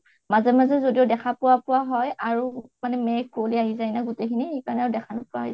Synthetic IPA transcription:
mazɛmazɛzodiodɛkʰapʊwapʊwaɦɔjaɹumanɛmɛkoliaɦizajnaɡʊtekʰiniekaɹɔnɛaɹʊdɛkʰanʊpʊaɦiz

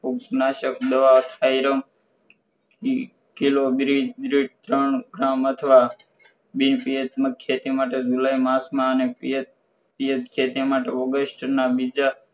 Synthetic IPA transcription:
uknaʃəkd̪əʋaʋt̪ʰaiɾəm | kilobɾibɾiʈt̪ɾəɳɡɾamət̪ʰəʋa | binpijət̪məkʰːet̪imaʈed͡ʒuləjmasmãəneiə | pijət̪kʰet̪imaʈeoɡəsʈnabid͡ʒa

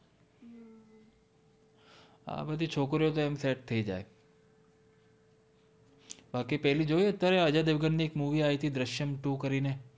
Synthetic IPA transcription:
a̰ːbəd̪ʱit͡ʃʰoːkɾjot̪oɛːmsɛːʈ̚t̪ʰəid͡ʒa̰ːe | baːkipɛɦlid͡ʒoːiət̪ːjaːɾeəd͡ʒad̪eʋɡənːieːkmuːʋiaːit̪ʰid̪ɾəʃjəmʈuːkəɾine

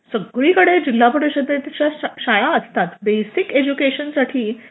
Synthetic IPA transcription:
səɡɭiːkəɽed͡ʑil̤ːapəɽeɕəd̪et̪at͡ɕjaɕajaəst̪at̪besiked͡ʑukeɕənsaʈʰiː

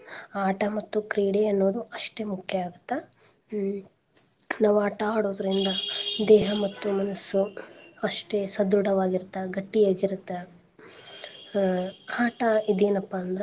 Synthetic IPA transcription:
aːʈɐmɐt̪ːukɾiːɽeɐnːoːd̪uɐʂʈe̞ːmukʰjɐaːɡut̪ːɐ | naːʋuaːʈɐaːɽoːd̪ɐɾind̪ɐd̪ɛːɦɐmɐt̪ːumɐnɐsːuɐʂʈesɐd̪ɾuɽɐʋaːɡiɾut̪ːɐɡɐʈːijaːɡiɾut̪ːe | aːʈɐid̪eːnɐpːɐɐnd̪ɐɾe

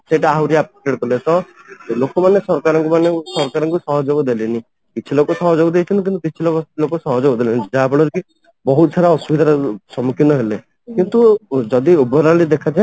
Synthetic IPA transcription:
seʈaːwɾiapeʈeɖkɔlesɔlokɔmanesɔɾkaɾɔ̃ŋkumanesɔɾkaɾɔ̃ŋkusɔɦɔd͡ʒobɔd̪elini | kit͡ʃʰilokɔsɔɦɔd͡ʒobɔd̪ejt͡ʃʰɔnt̪ikint̪ukit͡ʃʰilokɔlokɔsɔɦɔd͡ʒobɔd̪elinid͡ʒabɽɔɾki | bɔɦut̪saɾaɔsubid̪ʱaɾɔsɔmukʰinɔɦele | kint̪ud͡ʒɔd̪iubɔɾalid̪ekʰad͡ʒa

